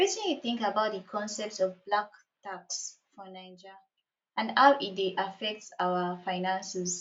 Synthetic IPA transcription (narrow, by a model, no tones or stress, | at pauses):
ɹisĩniθĩŋkabaʊt̚dəkʰɔ̃nsɛp̚tsɔvblak̚ | taks | fɔnaɪd͡ʒa | ãnhawʔit̚deʔafɛk̚tsawəfaɪnãnsɛs